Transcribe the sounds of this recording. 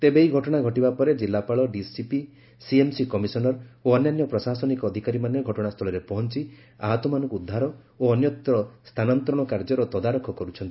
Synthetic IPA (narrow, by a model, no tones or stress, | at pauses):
t̪ebeiɡʱɔʈɔɽ̃aɡʱɔʈibapɔɾed͡ʒilːapaɭɔɖisipi | siemsikɔmisɔnɔɾoɔnjanjɔpɾɔsasɔnikɔːd̪ʱikaɾimanjɔɡʱɔʈɔɽ̃ast̪ʰɔɭɔɾepɔɦɔnt͡ʃi | a̰ɦɔt̪ɔmanɔ̃ŋkuud̪ʱːaɾɔ | oɔnjɔt̪ɾɔst̪ʰanɔnt̪ɾɔɽ̃ɔkaɾd͡ʒɔɾɔt̪ɔd̪aɾɔkʰɔkɔɾut͡ʃʰɔnt̪ii